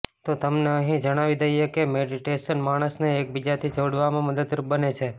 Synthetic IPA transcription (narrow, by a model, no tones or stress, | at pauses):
t̪ot̪əmneəɦĩd͡ʒəɽ̃aʋid̪əiekemeɖiʈeʃənmaɽ̃əsneːk̚bid͡ʒat̪ʰid͡ʒoɽʋamãməd̪əd̪ɾubənet͡ʃʰe